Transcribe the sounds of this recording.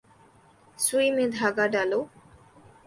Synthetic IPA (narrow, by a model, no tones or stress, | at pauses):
sujmed̪ʱaɡaɖalo